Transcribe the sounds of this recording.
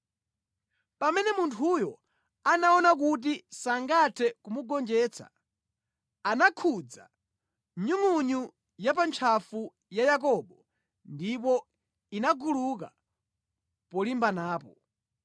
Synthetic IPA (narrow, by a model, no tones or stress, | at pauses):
pamɛnɛmuntʰujɔ | anaɔnak̬ut̬isaŋɡatʰɛkumuɡɔnd͡ʒɛːt͡sʰa̰ | anakʰud͡za̰ | ɲuŋuɲu | jap̬ant͡ʃʰafu | jajak̬ɔɓɔ | ndip̬ɔ | inaɡuluka | pɔlimbanaːpɔ